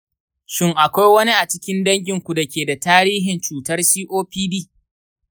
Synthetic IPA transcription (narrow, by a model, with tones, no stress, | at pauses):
ʃɪ˦ŋʔa˨kʷa˦jwɐ˦ni˦ʔa˨t͡ʃɪ˦kʲɪ˦ndɐ˦ŋɡʲɪ˨ŋkʷu˨da˨kʲeː˨da˨taː˦ɾiː˦ɦɪ˨nt͡ʃuː˨tɐ˦rsiː˦ʔoː˦ɸiː˦biː˦